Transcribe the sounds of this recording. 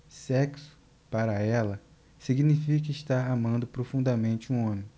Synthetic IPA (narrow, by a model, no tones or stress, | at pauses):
sɛksʊ̥ | paɾɐɛlɐ | siɡnifikɐiʃt̪aɾamɐ̃nd̪ʊpɾofũnd̪ɐmẽnt͡ʃɪũõmẽj̃